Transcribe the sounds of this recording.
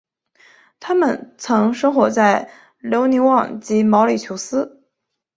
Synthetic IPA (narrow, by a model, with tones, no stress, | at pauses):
t̪ʰa˥mə˨˩nt͡sʰɤ˧˥ŋʂɤ˥ŋxwɔ˧˥t͡sa˥˩ɪ | ljo˧˥ʊni˧˥wɑ˥˩ŋt͡ɕi˧˥mɑ˧˥ʊli˨˩t͡ɕʰjo˧˥ʊsɹ̩˥